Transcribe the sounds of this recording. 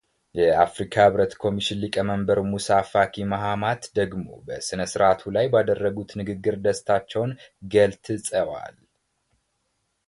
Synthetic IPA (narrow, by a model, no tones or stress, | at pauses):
jɛafɾikʰahɨβɾət̪kʰo̞miʃɪnlikʼəməmbəɾmusafakʰimaɦamat̪d̪əɡmo̞̰bəsɨnəsɨɾʔat̪ʰulajbad̪ərːəɡut̪nɨɡɨɡːɨɾd̪əst̪ʰat͡ʃːɛwnɡəlt̪ʰɨsʼəwa̰l